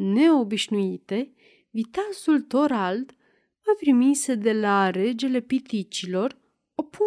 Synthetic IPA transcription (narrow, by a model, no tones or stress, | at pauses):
ne̞o̞biʃnuit̪e̞ | vit̪asult̪o̞ɾald̪ | vap̪ɾimised̪e̞laɾe̞d͡ʒe̞le̞pit̪it͡ʃilo̞r | opu